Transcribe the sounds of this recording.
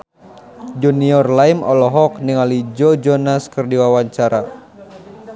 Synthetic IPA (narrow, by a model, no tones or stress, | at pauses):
d͡ʒuniɔrlaimɔlɔɦɔkniŋalid͡ʒɔd͡ʒɔnaskɨrdiwawaɲt͡ʃaɾa